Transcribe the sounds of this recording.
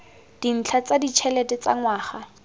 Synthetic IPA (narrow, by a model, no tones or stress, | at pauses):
d̥in̩t͡ɬʰat͡sadit͡ʃʰɛlɛtɛt͡sa̰ŋwaːχa